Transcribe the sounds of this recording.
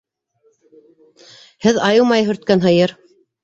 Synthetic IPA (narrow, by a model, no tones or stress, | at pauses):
hɘðɑjɤmɑjɦɵ̆ɾt̪̚kænɦɤ̆jɤɾ